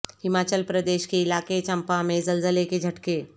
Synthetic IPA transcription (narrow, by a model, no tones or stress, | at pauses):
hɪmaːt͡ʃəlpɾɐd̪eːʃkeɪlaːket͡ʃɐ̃mpamẽzɐlzəleked͡ʒʱɐʈkeː